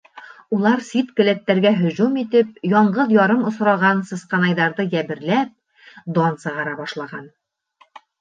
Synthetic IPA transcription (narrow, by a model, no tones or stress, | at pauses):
ulˠɑɾsit̪kɵ̆læt̪ːæɾɡæɦɵ̆ʑumit̪ɘp̚jɒɴɢɤðjɒɾɤmŏsɾɑʁɑnsɤ̆sqɑnɑjðɑɾðɤjæβɘ̆ɾlæp̚ | d̪ɑnsɤ̆ʁɑɾɑbɒʃlˠɑʁɑn